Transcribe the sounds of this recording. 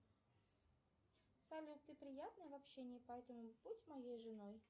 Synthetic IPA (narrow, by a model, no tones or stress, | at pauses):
sɐlʲut̪ːɨpɾʲɪjat̪nəjəvɐpɕːenʲɪjəpɐɛt̪əmʊb̥utʲmɐjejʐɨnoj